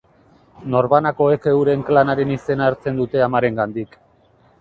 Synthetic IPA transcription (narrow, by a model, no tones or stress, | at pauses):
no̞ɾβanako̞e̞kewɾe̞ŋklanaɾe̞nise̞naːɾt͡se̞nd̪ut̪e̞amaɾe̞ŋɡand̪ik